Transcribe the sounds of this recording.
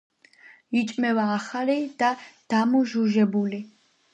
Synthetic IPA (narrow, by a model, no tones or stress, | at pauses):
it͡ʃʼmɛvaːχalid̪̥ad̪̥amuʒuʒɛbuli